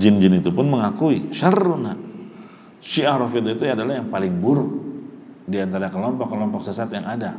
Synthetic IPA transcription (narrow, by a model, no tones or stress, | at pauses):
d͡ʒɪnd͡ʒɪnit̪upʊnməŋakuiʃəruna | ʃiahɾofid̪it̪uadalahjaŋpalɪŋbuɾʊk̚ | diant̪aɾakəlɔmpɔkːəlɔmpɔk̚səsat̪jaŋada